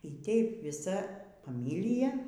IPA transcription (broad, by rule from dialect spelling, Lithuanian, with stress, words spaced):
iː ˈtʲɛɪp ʋʲɪˈsɐ fɐˈmʲɪlʲɪjɛ